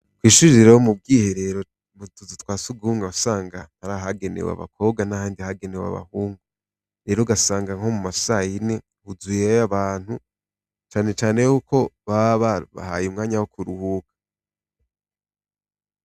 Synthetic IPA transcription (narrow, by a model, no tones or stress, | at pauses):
kwiːʃuɾiɾiɾewomub̚ɡiːhe̞ɾe̞ɾo | βuuzitwaːsuɡuhuːŋɡausaːŋɡanaɾaɦaɡe̞nḛwa̰βa̰kʰo̞ːbɡanahaːndihaɡe̞newa̰βa̰huːŋɡu | ɾe̞ɾoɡasaːŋɡaŋho̞mumasajine̞ | huzujeaβaːn̥hu | t͡ʃaːne̞t͡ʃaːne̞hukʰo̞βaβaβa̰ha̰jumŋaːɲawokʰuɾuhuːkḁ